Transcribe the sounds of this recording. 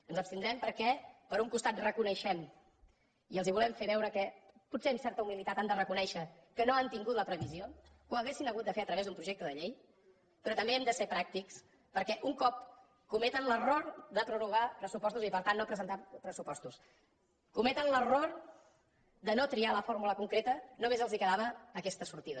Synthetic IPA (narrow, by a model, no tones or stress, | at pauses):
ənzəpst̪ind̪ɾɛmpəɾkɛpəɾuŋkust̪at̪̚rəkunəʃɛm | iəlˠziβulɛmfeβɛwɾəkɛputseɛmsɛɾt̪əumilit̪at̪amd̪ərəkunɛʃəkənoənt̪iŋɡut̪ləpɾəβiziokuəɣesinəɣ̞ut̪̚d̪əfeət̪ɾəβezd̪umpɾuʒek̚t̪əðəʎej | pɾɔt̪əmbeɛmd̪əsepɾak̚t̪iks | pəɾkɛʔuŋkɔp̚ | kumɛt̪ənlərord̪əpɾunuɣ̞apɾəsupɔst̪uzipəɾt̪anːopɾəzənt̪apɾəsupɔst̪us | kumɛt̪ənləror | d̪ənot̪ɾialəfoɾmuləkuŋkɾet̪ənumezəlˠzikəðaβəːkɛst̪əsuɾt̪iðə